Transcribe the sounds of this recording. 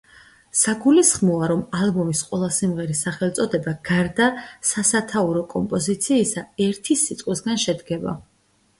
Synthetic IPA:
saɡulisχmɔaɾɔmalˠbɔmisqʼwɛlˠasimʁɛɾisaχɛlˠt̪sʼɔd̪ɛbaɡ̥aɾd̪asasat̪ʰauɾɔkʼɔmpʼɔzit̪sʰiːsaɛɾt̪ʰisit̪sʼqʼwisɡanʃɛd̪ɡɛba̰

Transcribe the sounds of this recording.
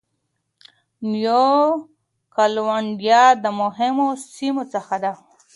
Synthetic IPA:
njo | kalwaɳɖjɑd̪əmʊɦɪmosimot͡səxad̪a

